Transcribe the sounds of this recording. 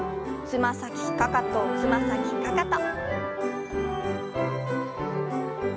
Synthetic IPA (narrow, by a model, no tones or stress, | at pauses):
t͡sɨmasakʲikakat̪ot͡sɨmasakʲikakat̪a